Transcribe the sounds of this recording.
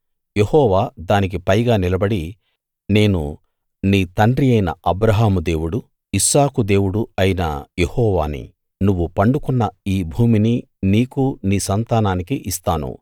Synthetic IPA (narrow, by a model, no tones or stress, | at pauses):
je̞hɔːʋaːd̪aːnik̬ipɐjɡaːnilɐbɐɽi | ne̞ːnṵ | niːt̪ɐɳɖɾiɐjnɐɐbɾɐɦaːmud̪e̞ːwuɽu | isaːkud̪e̞ːwuɽuɐjinɐ̰je̞hɔːʋaːnḭ | nuʋːupɐɳɖukunːɐiːbʱuːmini | niːkuniːsɐnt̪aːnaːnikiʔist̪aːnṵ